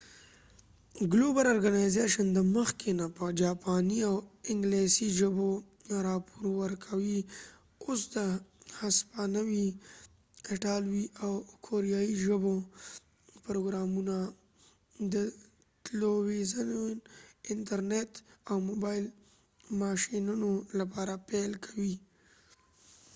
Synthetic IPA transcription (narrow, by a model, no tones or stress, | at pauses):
ɡlobaɾɔɾɡanajzeʃənd̪əməxkenapəd͡ʒɑpɑniawɪŋɡlesiʒəbo | ɾɑpoɾwəɾkʰawi | os̬d̪əhaspanawi | kaʈɑlwiʔawkʰoɾijaiʒəbo | pɾoɡɾɑmuna | d̪ə | t̪lowizan | ɪnʈaɾnetawmobɑjl | mɑʃinunolapɑɾapelkʰawi